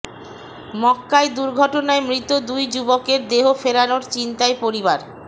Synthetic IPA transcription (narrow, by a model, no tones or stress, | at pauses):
mɔkːaed̪uɾɡʱɔʈonaemɾit̪od̪ujd͡ʑubokeɾd̪eɦofeɾanoɾt͡ɕint̪aepoɾibaɾ